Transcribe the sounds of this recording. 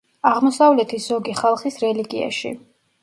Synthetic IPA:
aʁmɔsavlɛt̪ʰiz̥ɔɡiχalˠχisɾɛliɡia̰ʃḭ

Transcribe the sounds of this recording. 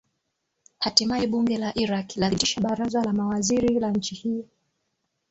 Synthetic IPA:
hatimaiɓuŋɡɛlaʔiɾakilaitiʃaɓaɾazalamawaziɾilaɲ̩t͡ʃihiɔ

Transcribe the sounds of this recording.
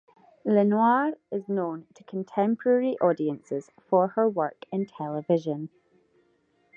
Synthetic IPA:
lˠɛnwaɹɪznõntʰə̥kʰə̃ntʰɛ̃mpʰəɹɛɹiʔɔdiə̃nsɪz̥fə˞ə˞wɜ˞kɪ̃ntʰɛlˠɪvɪʒə̃n

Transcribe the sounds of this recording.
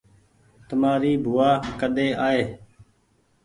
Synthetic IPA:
t̪əmaːɾiːbʱʊːaːkəɗ̪eːaːeː

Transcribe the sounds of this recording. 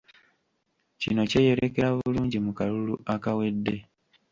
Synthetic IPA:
cino̞ce̞je̞ɾe̞ke̞ɾaβuluːɲɟimukalulṵakawe̞dːe̞

